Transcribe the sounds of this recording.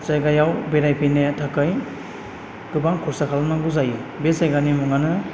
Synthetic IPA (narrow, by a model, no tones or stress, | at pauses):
t͡ʃajɡajawbeɾajpʰinajatʰakɯj | ɡ̥ɯbaŋkʰɔɾsakʰalnaɡuzajubesajɡanimuŋanɯ